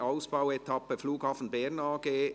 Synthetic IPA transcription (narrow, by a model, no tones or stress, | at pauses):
aʊsb̥aʊɛt̪ʰɑpəfluːɡ̥hɑːfn̩bɛʁnɑːɡeː